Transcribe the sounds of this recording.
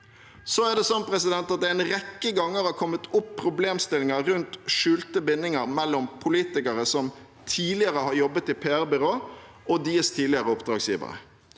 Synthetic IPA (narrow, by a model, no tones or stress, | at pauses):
sɔæɖ̪ɛsɔnpʰɾɛsɪd̪ɛnt̪ɑt̪̚d̪ɛɛɪnɾɛkːəɡɑŋːəɾɑɾkʰɔmːət̪ʊpʰːɾʊbleːmst̪ɪlɪŋəɾʉnt̪ʃʉːlt̪əbɪnːɪŋəɾmɛlːɔmpʰʊliːt̪ɪkəɾəsɔm | t̪ʰiːlɪəɾəhɑːɾjɔbːət̪ɪpʰeːæɾbʏɾoː | ɔd̪iːəst̪ʰiːlɪəɾəʊpd̪ɾɑːɡsjiːʋə̰ɾə̰